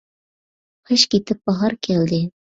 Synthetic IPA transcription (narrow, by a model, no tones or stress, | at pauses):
qɤʃkit̪ɘp̚bɑʁɑɾkæld̪ɘ